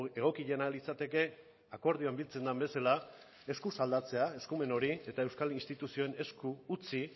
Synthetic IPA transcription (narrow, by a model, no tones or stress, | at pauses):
e̞ɣ̞o̞kiʎe̞nalit͡sat̪e̞ke̞ | ako̞ɾð̞ioambilt͡se̞nd̪ambe̞sala | e̞skusald̪at͡se̞ae̞skume̞no̞ɾie̞t̪ae̞wskalinst̪it̪usio̞ene̞skuːt͡si